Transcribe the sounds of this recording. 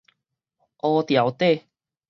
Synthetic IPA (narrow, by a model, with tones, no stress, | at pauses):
ʔɔ˧t̪ja˨˩˦wt̪e˥˨